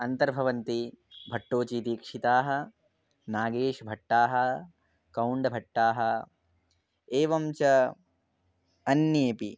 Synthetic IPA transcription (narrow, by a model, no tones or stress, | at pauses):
ɐnt̪ɐɾbʱɐʋɐnt̪ibʱɐʈːoːt͡ʃiːt̪iːkʂit̪aːɦɐ̆ | naːɡeːʂbʱɐʈːaːɦɐ | kɐwɳɖbʱɐʈːaːɦɐ | eːʋɐmt͡ʃɐ | ɐnjeːpi